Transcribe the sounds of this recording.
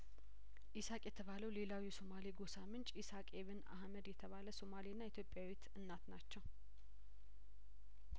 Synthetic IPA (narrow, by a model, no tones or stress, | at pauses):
ʔisakʼjɛt̪ʰəβaləwle̞lawjɛso̞maliɡo̞samɨnt͡ʃʼisakʼeβɨna̰hməd̪jɛt̪ʰəβaləso̞malinːait̪ʰjopʼjawit̪ɨnːat̪nat͡ʃːɛw